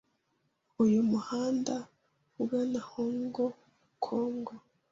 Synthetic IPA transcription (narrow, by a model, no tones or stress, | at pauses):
ujumuhaːnda | uɡanahoŋɡo | kʰoːŋɡo